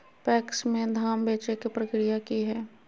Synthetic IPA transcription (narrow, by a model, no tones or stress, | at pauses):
pɛːksmẽd̪ʱaːmbeːt͡ʃekipɾɐkɾijakiɦɛː